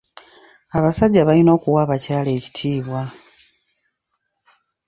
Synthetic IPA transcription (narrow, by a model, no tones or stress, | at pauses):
aβasaɟːaβalino̞ːkuwaːβacaːle̞ːci̥tʰiːβwa